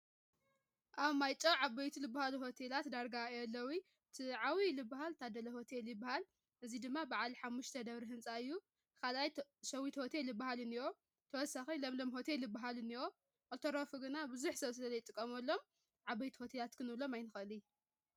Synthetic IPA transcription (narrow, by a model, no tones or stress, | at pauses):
ʔaβmajt͡ʃʼɐwʕaβɐjt̪ʰilɨbːahaluɦo̞t̪ʰelat̪d̪aɾɡaɐlːɐwi | ɨt̪ʰiʕawilɨbːaɦalt̪ʰad̪ɐlɐho̞t̪ʰeljɨbːahal | ʔɨzid̪ɨmːabaʕalħamːuʃt̪ʰɐd̪ɐβɾiɦɨnsʼaɨjːu | kʰalʔajsɐwit̪ho̞t̪ʰelːɨbaɦalɨniwo̞ | t̪ʰɐwɔsaxilɐmlomɦo̞t̪ʰe̞lːɨbːaɦalɨniwo̞ | ʔʼot̪ʰoɾofuɡɨnabɨzuħsɐβsɨlɐzɐjt̪ʼɨkʼːɐmɐlːo̞m | ʕabɐjt̪ʰi̥ho̞t̪ʰelat̪kʰɨnɨβlo̞majnɨxɨlij